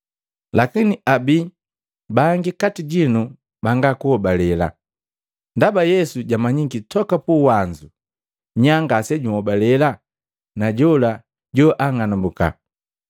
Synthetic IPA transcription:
lakiniʔabi | baŋɡikatiɟinu | baŋɡakuhɔbalɛla̰ | ndabajɛsuɟamaɲiŋɡitɔkapuwaɲd͡ʒu | ɲaŋɡasɛɟuɔbalɛla | naɟɔla | ɟɔʔaŋanambuka̰

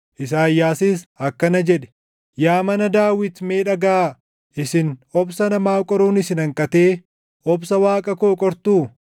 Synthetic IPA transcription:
ʔɪs̬aːjːaːsɪːsɐkːɐnɐd͡ʒɛᶑɛ̥ | jaːmɐnɐd̪aːwɪt̪meːᶑɐɡaː | ɪsɪnɔbsɐnɐmaːkʼɔɾuːnɪsɪnɐŋkʼɐt̪e̞ː | ʔɔbsɐwaːkʼɐkoːkʼɔɾt̪uː

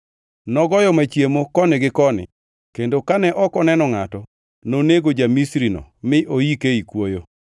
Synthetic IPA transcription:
nɔɡɔjɔmat͡ʃjemokɔnɪɡɪkɔnɪ̰ | kendokanɛʔɔkɔnɛnɔŋatɔ | noneɡod͡ʒamisɾinɔ̰mɪʔojikeikwojo

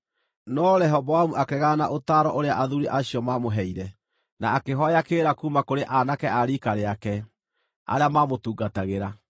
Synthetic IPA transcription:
nɔɾɛɦɔvɔwamuʔakɛɣanaʔotaɾɔʔoɾeaʔaðuɾiʔaɕiɔmamoɦɛiɾɛ | naːkeɦɔjakeːɾakumakoɾeʔanakɛaɾikaɾeakɛ | a̰ɾeamamotuːɡataɣeɾa

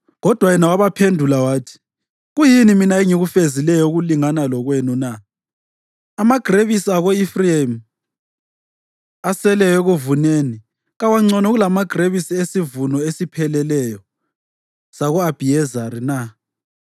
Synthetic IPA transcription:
ɣɔd̥ʱwajɛnawaβapʰendʱulawaːtʰi̥ | ɣujiniminaeŋiɣufezilɛjɔuɣuliŋanalɔɣwenuna | maɡ̥ʱreβisiaɣoifriam | asɛlɛjɛɣuvuneːni | ɣawaŋ͡ǀɔnɔɣulamaɡ̥reβisiesivunɔesipʰɛlɛlɛjɔ | saɣɔab̥ʱiɛzaɾina

